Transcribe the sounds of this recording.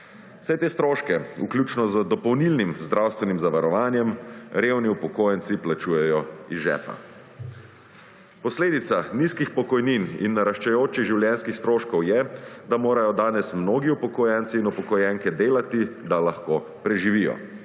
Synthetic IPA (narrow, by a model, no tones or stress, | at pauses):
w̥sɛt̪eːst̪ɾoːʃkɛṵklʲjuːt͡ʃnɔzəd̪ɔpɔwnilnimzd̪ɾawst̪ʋɛnimzaʋaɾɔʋaːnjɛmɾewniupɔkoːjɛnsiplat͡ʃuːjɛjɔizʒɛ̰ːpa̰ | pɔsleːd̪it̪saniskixpɔkɔjninḭnːaɾaʃt͡ʃɛjoːt͡ʃiɣʒiwljɛnskixst̪ɾoːʃkɔwjɛd̪amoːɾajɔd̪aːnɛsmnoːɡiupɔkɔjɛnt̪siːnupɔkɔjɛŋkɛd̪eːlat̪id̪alaxkoː | pɾɛʒiʋijɔ̰